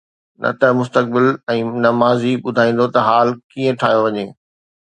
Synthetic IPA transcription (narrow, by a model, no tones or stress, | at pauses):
nʔɐ̰t̪ɐmʊst̪ək̚bɪlɛ̃ːnɐmaːziɓʊd̪ʱaːĩːn̆d̪ot̪ɐɦaːlkiːə̃ʈʰa̰ːɦjoʋɐɲeː